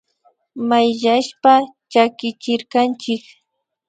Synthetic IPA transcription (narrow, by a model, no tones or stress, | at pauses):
majʎaʃpat͡ʃakɪt͡ʃɪɾkant͡ʃɪk